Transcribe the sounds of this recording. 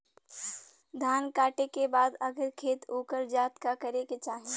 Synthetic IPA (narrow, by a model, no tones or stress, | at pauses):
d̪ʱaːnkaːʈekebaːd̪ɐɡəɾkʰeːt̪oːkəɾd͡ʒaːt̪kakəɾeket͡ʃaːɦi